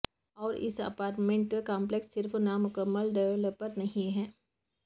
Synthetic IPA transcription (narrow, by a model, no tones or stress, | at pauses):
ɔːɾɪ̰sɐ̰paːɾʈmẽɳʈpekãːmpleksːɪɾfnamʊkəmːəlɖɛʋələpːəɾnɐɦĩɦɛː